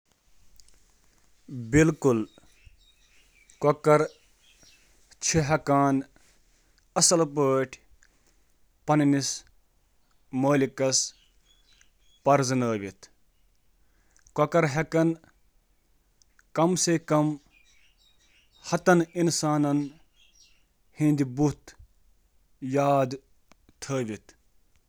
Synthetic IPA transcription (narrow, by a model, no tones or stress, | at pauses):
bilkul | kokɐɾ | t͡ʃʰiɦɐkaːn | ɐsɐlpəːʈʰ | pɐnnis | moːlikɐs | pɐɾzɨnəːʋit̪ʰ | kɐkɐɾɦɐkɐn | kɐmsekɐm | hɐt̪ɐninsaːnɐn | hĩnd̪ibut̪ | jaːd̪ | t̪ʰəːʋit̪